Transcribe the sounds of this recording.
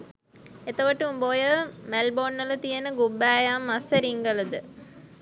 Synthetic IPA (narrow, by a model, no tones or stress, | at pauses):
et̪ɐʋəʈuumboːjəmelboːnːɐlɐt̪ijɐnəɡubːæːjamːɐsəɾiŋɡəlɐd̪ə